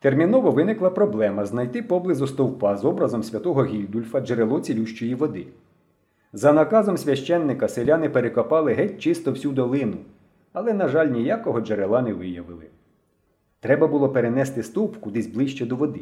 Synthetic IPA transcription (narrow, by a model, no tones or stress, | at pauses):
t̪ermʲinɔʋɔʋɪnɪklˠɐpɾɔblˠɛmɐznɐjt̪ɪpɔblˠɪzʊst̪ɔwpɑzɔbɾɐzɔmsʲʋʲɐt̪ɔɦɔɦʲilʲd̪ulʲfɐd͡ʒeɾelˠɔt͡sʲilʲuʃt͡ʃɔjiʋɔd̪ɪ | zɐnɐkɑzɔmsʲʋʲɐʃt͡ʃɛnːɪkɐselʲanɪpeɾekɔpɑlˠɪɦɛt̚ʲt͡ʃɪst̪ɔwsʲud̪ɔlˠɪnʊ | ɐlˠɛnɐʒɑlʲnʲijakɔɦɔd͡ʒeɾelˠɑnɛʋɪjɐʋɪlˠɪ | t̪ɾɛbɐbʊlˠɔpeɾenɛst̪ɪst̪upkʊd̪ɪzʲblˠɪʃt͡ʃɛd̪ɔʋɔd̪ɪ